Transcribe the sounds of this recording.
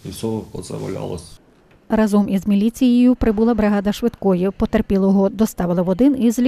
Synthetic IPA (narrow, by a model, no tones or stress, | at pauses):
isʲɔɔkɔzɐ̰ʋɐ̰lʲa̰lˠɐ̰sʲ | rɐzɔmʔizmʲilʲit͡sʲijɪjʊpɾɪbulˠɐbɾeɦɑd̪ɐʃʋɪd̪kɔjipɔt̪erpʲilˠɐjɦɔd̪ɔst̪ɑʋɪlˠɐʋɔd̪ɪnizlʲ